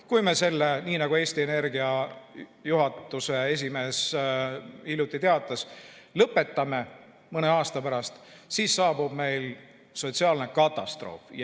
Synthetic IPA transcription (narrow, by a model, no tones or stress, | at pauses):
kujme̞se̞lːeniːnɑɡ̥ue̞ːst̪ie̞ne̞rɡiɑ | juɦɑt̪ːˑuse̞e̞s̬ʲime̞ːs | ilut̪ːˑit̪e̞ɑt̪ːˑɑslɤpːe̞t̪ˑːɑme̞ | mɤne̞ɑːst̪ɑpæɾɑst̪ | siːsːɑːbub̥me̞jl | so̞t̪siɑːlnekɑt̪ːˑɑst̪ro̞̰ːf